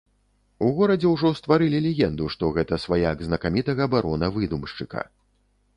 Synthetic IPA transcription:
uɣɔɾɐd͡zʲɛwʐɔst̪vaɾɨlʲilʲɛɣʲɛnd̪uʂt̪ɔɣɛt̪ɐsvajaɡznɐkamʲit̪ɐɣɐbaɾɔnɐvɨd̪umʂt͡ʂɨkɐ̰

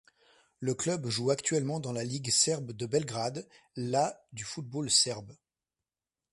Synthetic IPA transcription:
ləklœbʒuakt̪ɥɛlmɑ̃d̪ɑ̃laliɡsɛʁbd̪əbɛlɡʁad̪ | lad̪yfut̪̚bolsɛʁb

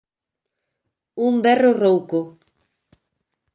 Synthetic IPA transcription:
umbɛrorowko

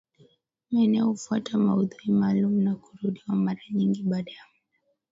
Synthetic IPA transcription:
maɛnɛɔufuatamauðuɾimaːlumunaku̥ɾuɗiwamaɾaɲiŋɡiɓaɗaja

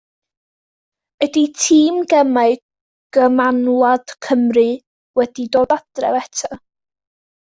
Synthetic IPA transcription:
əditʰiːmɡɛmaɨ | ɡ̥əmanlˠad̥kʰəmrɨ | wɛdidoːdad̥rɛ̰wɛtʰa

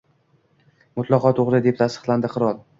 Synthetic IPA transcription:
mʊt̪ʰlˠɑqʰɒt̪ʰoʁɾɪd̪e̞p̚t̪ʰast̪ɨ̥χlˠand̪ɪqʰɨɾɒlˠ

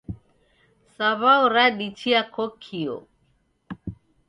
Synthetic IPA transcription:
saβauɾaɗit͡ʃʰiakʰokʰio̰

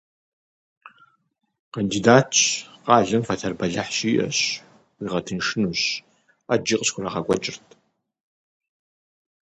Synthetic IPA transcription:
qʰɐndiːdaːtʰɕqɑːɮɨmfɐtʰɐrbɐɮɐħɕiːʔɐ̰ɕ | wiʁɐtʰɨnʂɪnuɕ | ad͡ʒiqʼɕxʷʰʊrɐʁɐɡʷʼɐ̰t͡ʃʼɪrtʰ

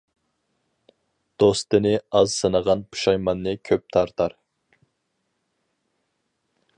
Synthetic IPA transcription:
d̪̥ost̪ɨnɪɑzsənəʁɑnpʰu̥ʃɑjmɑnːɨkʲʰøp̚t̪ʰɑɾt̪ʰɑɾ

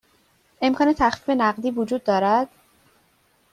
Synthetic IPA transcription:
ʔe̞mkʰɒːne̞t̪ʰæxfiːfe̞næɢd̪iːvod͡ʒuːd̪̚ːɒːɾæd̪̥

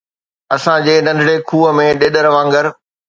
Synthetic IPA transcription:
ɐsãd͡ʑeːnɐ̃ndʱɽekʰuːəmẽɗeːɗəɾʋãːŋɡəɾ

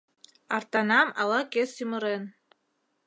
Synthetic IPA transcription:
ɑrt̪ɑnɑmɑ̰lˠɑkesymɤɾen

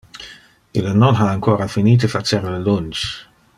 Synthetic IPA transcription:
ilənɔnɦaaŋkʰɔːɾafiniːt̪əfasɛɾləlʊnt͡ʃ

